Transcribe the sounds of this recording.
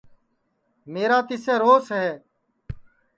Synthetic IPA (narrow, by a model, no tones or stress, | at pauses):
meːɾaːt̪ɪsẽːɾoːsɦeː